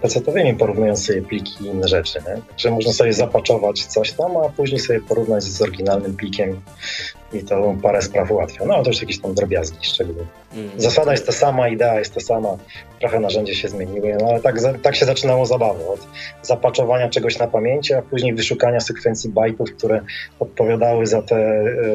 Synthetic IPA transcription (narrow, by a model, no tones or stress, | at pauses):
t̪ɛsɛt̪ɔvʲɛmʲipɔɾuvnujɔnt̪ssɔbʲjɛplʲikʲʰiinːɛʐɛt͡ʂɘɲɛt̪aɡʐɛmɔʐnasɔbʲjɛzapat͡ʂɔvat͡ɕt̪sɔɕt̪amapuʑɲejsɔbʲjɛpɔɾuvnad͡ʑzɔɾɡʲinalnɘmplʲikʲɛm | it̪ɔpaɾɛspɾafuwat̪fʲjɔ̃nɔaɛt̪ɔjuʂjakʲeɕt̪amd̪ɾɔbʲjazɡʲiʂt͡ʂɛɡul | zasad̪ajɛst̪ːɔsamaid̪ɛajɛst̪ːasamat̪ɾɔxɛnaʐɛɲd͡ʑɛɕɛzmʲeɲiwɔnɔalɛt̪aɡzat̪akɕɛzat͡ʂɘnawɔzabavɛɔt̪zapat͡ʂɔvaɲat͡ʂɛɡɔɕnapamʲjeɲt͡ɕɛapuʑɲejvɘʂukaɲasɛkfɛnt̪sʲjibajt̪ufk̚t̪uɾɛɔt̪̚pɔvʲjad̪awɘzat̪ɛ